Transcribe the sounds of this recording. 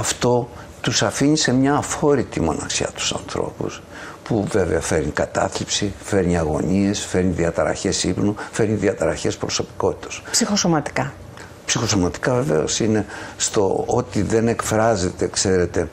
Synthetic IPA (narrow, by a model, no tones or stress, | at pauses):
ɐft̪o̞ | t̪usɐfiɲise̞mɲɐːfo̞ɾit̪imo̞nɐ̰ksiɐ̰t̪u̥sɐ̰nθɾo̞̰pṵs | puve̞ve̞ɐfe̞ɾnikɐt̪ɐ̰θlipsife̞ɾɲiɐɣo̞̰ɲie̞sfe̞ɾɲiðiɐt̪ɾɐ̰çe̞sipnufe̞ɾɲiðiɐt̪ɾɐçe̞spɾo̞so̞pi̥ko̞t̪i̥t̪ɐ̥spsixosomɐt̪i̥kɐ | psixo̞so̞mɐt̪i̥kɐve̞ve̞̰o̰sine̞st̪o̞̰ot̪iðe̞ne̞kfɾɐze̞t̪ekse̞ɾe̞t̪e̞